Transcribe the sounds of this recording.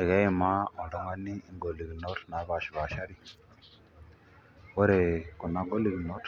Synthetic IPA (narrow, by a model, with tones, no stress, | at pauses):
ɛ˨ɣa˦i˨ma˦ɔ˨ɾɔ˨ŋa˦niː˦ŋɡo˨li˨ɣi˨nɔ˦tna˨˦βa˨ʃi˨βa˨ʃa˦ɾi˦ | wɔ˦ɾɛ˨kɔ˨na˨ɡo˦li˨ɣi˨nɔ˦t